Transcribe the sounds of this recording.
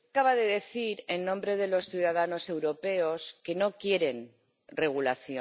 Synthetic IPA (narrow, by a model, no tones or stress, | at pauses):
kaβaðe̞ðe̞θiɾe̞nːõ̞mbɾe̞ðe̞lo̞sθjuðaðano̞se̞wɾo̞pe̞o̞ske̞no̞kje̞ɾe̞n | re̞ɣ̞ulaθjo